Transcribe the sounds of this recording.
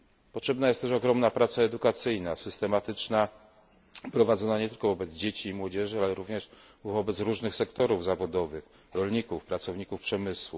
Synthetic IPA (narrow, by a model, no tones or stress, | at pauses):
pɔtʂɛbnajɛst̪ɛʂɔɡɾɔmnapɾat̪saɛd̪ukat̪sɘjnasɘst̪ɛmat̪ɘt͡ʂna | pɾɔvad̪zɔnaɲɛt̪ɘlkɔvɔbɛd̪zd͡ʑet͡ɕiːmwɔd͡ʑɛʐɘalɛɾuvɲɛʂvɔbɛt̪sɾuʐnɘxsɛkt̪ɔɾuvzavɔd̪ɔvɘx | ɾɔlɲikufpɾat̪sɔvɲikufpʂɛmɘswu